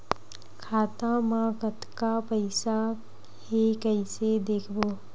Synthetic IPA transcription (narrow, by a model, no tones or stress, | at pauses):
kʰaːt̪ãmãkət̪kapəɪsa | hekəɪsed̪eːkʰboː